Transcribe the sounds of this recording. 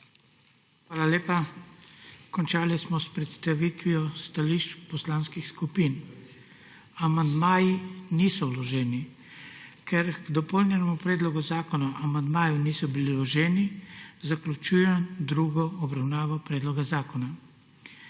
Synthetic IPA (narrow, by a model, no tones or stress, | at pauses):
xʋaːlaleːpa | kɔnt͡ʃaːlismɔspɾɛt̪st̪aʋiːt̪ʋiɔst̪aliʃt͡ʃpɔslaːnskixskupin | amand̪maːjinisɔwlɔʒɛːni | kʰɛɾɡd̪ɔpolnɛnɛmupɾɛːd̪lɔɡuzaːkɔnaʔamand̪maːjuniːsɔbililɔʒɛːnizaklʲut͡ʃuːjɛd̪ɾuːɡɔɔbɾawnaːʋɔpɾɛːd̪lɔɡazaːkɔna